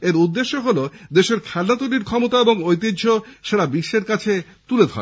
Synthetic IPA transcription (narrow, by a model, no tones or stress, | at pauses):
eɾud̪ːeʃːoɦolod̪eʃeɾkʰɛlnat̪uliɾkʰɔmot̪aeboŋojt̪̬idʱoʃaɽabiʃːeɾkat͡ɕʰe | t̪uled̪ʱɔ̰